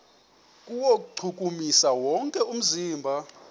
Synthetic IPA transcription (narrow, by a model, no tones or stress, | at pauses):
kʼuwok̬ʼuǀʰuk̬ʼumisawɔŋkʼɛum̩ziːmbʱa